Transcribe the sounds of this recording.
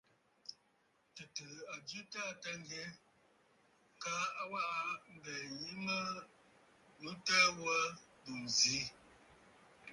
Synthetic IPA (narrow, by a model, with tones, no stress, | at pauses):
tɨ˨tɨ˨a˨d͡ʒɨ˦ta˦˨ta˦ŋ˦ɡɛ˦ | ka˦a˦wa˦ʔa˦m̩˦bɛ˨ji˦mə˦˨˦ | ta˦wə˦du˨n˨zi˨˦